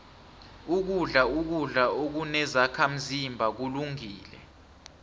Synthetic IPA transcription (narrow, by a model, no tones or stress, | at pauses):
uk̬uɮauk̬uɮaok̬unɛzakʰam̩zimbʱak̬uluŋiːlɛ̰